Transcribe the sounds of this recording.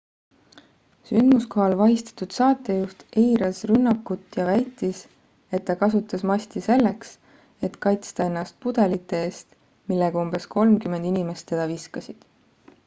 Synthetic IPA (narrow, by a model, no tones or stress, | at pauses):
synd̪̥musko̞ɦɑlvɑɦist̪ɑ̥t̪ud̪̥sɑːt̪ːˑe̞just̪ʔejɾɑsrynːɑkːˑut̪ːjɑvæjt̪ːˑis | e̞t̪ːɑkɑsut̪ːˑɑsmɑsʲt̪ise̞lːe̞ks | e̞t̪kɑjt̪st̪ɑe̞nːɑst̪̚pud̪̥e̞lit̪ːˑee̞ːst̪ | milːeɡ̥ɑumbe̞skʰo̞lmkymend̪̥inime̞st̪ːe̞d̪̥ɑviskɑsid̪̥